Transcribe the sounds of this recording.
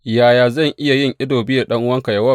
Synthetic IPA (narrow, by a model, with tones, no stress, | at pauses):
jaː˨jaː˨zɐ˦˨ŋʔɪ˦ja˨jɪ˦ŋʔɪ˦doː˨biː˦da˨ɗɐ˦ŋʔʊ˦wɐ˦ŋkɐ˨jɐ˦wɐ˦